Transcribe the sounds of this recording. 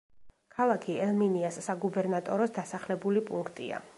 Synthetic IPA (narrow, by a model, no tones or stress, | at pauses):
kʰalˠakʰiɛlˠminiasːaɡubɛɾnat̪ʼɔɾɔsd̪asaχlɛbulipʼuŋkʰt̪ʼḭa̰